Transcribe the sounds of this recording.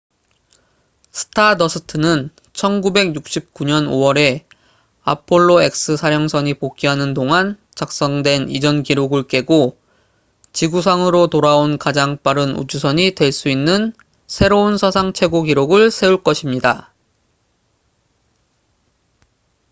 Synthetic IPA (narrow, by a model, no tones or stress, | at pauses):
sʰɯ̥tʰadʌsʰɯtʰɯnɯn | t͡ɕʰʌnɡube̞ɡjuk̚ɕ͈ʰip̚k͈uɲʌno̰wʌɾe̞ | a̰pʰoɭːoe̞k̚s͈ɯsʰaɾjʌŋsʰʌɲipok̚k͈iɦanɯndoŋan | t͡ɕak̚s͈ʌŋdwe̞nid͡ʑʌnkiɾoɡɯɭk͈e̞ɡo | t͡ɕiɡus̬ʰaŋɯɾotoɾaonkad͡ʑaŋp͈aɾɯnṵd͡ʑusʰʌɲitwe̞ɭs͈uinːɯn | sʰe̞ɾounsʰʌsʰaŋt͡ɕʰe̞ɡoɡiɾoɡɯɭsʰe̞uɭk͈ʌɕʰimɲida